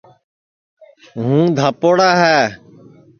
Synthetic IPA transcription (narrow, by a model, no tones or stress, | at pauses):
ɦũːd̪ʱaːpoːɽaːɦɛː